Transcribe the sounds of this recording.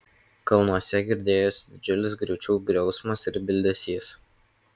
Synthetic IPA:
kɐlˠnuɔsʲɛɡʲɪɾʲd̪ʲeːjoːsʲd̪ʲɪd͡ʒʲʊlʲɪsɡɾʲuːt͡ʃʲuːɡɾʲɛʊsmɐsɪɾbʲɪlʲd̪ʲɛsʲiːs

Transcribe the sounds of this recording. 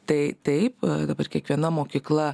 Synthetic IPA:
t̪ɐɪt̪ɐɪpd̪ɐbɐrkʲiɛkʋʲiɛnɐmoːkʲiːklˠɐ

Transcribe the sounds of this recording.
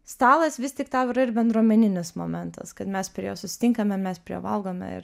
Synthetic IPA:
st̪ɑːlˠɐsʋʲɪst̪ʲɪkt̪ɑːɪɾɐɪɾbʲɛnd̪ɾuɔmʲɛnʲɪnʲɪsmo̰ːmʲɛnt̪ɐ̰skɐt̪mʲɛspʲɾʲiɛjoːsʊsʲɪ̥t̪ʲɪŋkɐmʲɛmʲɛspʲɾʲḭʋɐlˠɡoːmʲɛ̰ɪ̰ɾ

